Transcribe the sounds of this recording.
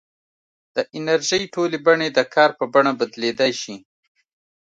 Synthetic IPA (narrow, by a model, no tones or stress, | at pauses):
d̪̥əʔɪnaɾʒəjʈolebaɳed̪əkʰɑɾpəbaɳabad̪led̪ajʃi